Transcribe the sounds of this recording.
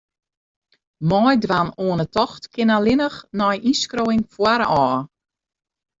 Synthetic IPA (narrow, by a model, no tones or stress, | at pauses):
mɔjdwanoənətɔxtkɪnalɪnəxnɔjʔiskroːɪŋfwaɾəɔː